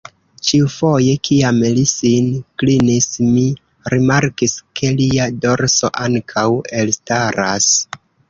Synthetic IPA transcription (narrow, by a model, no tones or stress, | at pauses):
t͡ʃiufo̞je̞kʰiamlisinklinismi | ɾimaɾkiskʰe̞liado̞ɾso̞ʔaŋkʰawe̞lstaɾas